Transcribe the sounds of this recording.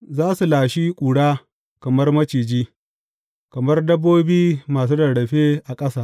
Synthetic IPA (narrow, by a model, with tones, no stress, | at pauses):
zaː˦su˨laː˨ʃiː˦kʷʼuː˨ɽaː˦ | kɐ˨mɐ˦rmɐ˦t͡ʃiː˨d͡ʒiː˦ | kɐ˨mɐ˦rdɐ˦bːoː˦biː˦maː˨s̬u˦dɐ˨ɽɽɐ˨ɸeː˦ʔa˨kʼɐ˦saː˨ʔ